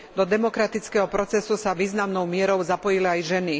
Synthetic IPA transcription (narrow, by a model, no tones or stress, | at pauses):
d̪ɔd̪ɛmɔkɾat̪it͡skɛːɦɔpɾɔt͡sɛsusaʋiːznamnɔʊmɪɛɾɔʊzapɔjiliajʒɛni